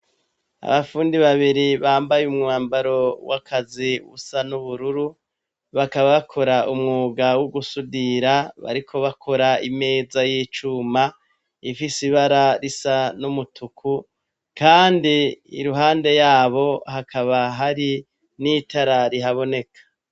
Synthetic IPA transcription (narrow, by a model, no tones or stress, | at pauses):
a̰βafuːndiβaβiɾiβaːmbajumŋŋaːmbaɾo̞wakʰaziβṵsanuβuɾuɾu | βakaβaβakʰo̞ɾaʔumŋuːɡawuɡusudiɾaβa̰ɾikʰo̞βakʰo̞ɾaime̞ːzajiːt͡ʃuma | ifisiβaɾaɾisanumutʰukʰu | kaːndiḭɾuɦaːnde̞jaːβo̞hakʰaβaɦaɾi | nitaɾaɾiɦaβo̞ne̞kḁ